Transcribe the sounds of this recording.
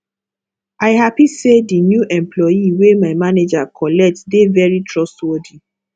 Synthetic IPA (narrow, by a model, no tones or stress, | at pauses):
aɪɦapisedinjuʔɛ̃mplɔjiwemaɪmaned͡ʒakʰɔlɛk̚tdevɛɹitʰɹɔstwodi